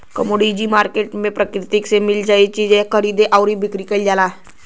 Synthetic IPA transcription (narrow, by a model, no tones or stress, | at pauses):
kəmoɽid͡ʑiːmaɾkeʈmepɾəkɾit̪iksemild͡zajt͡ɕid͡zekʰəɾid̪eʔawɾibʱikɾikəld͡zala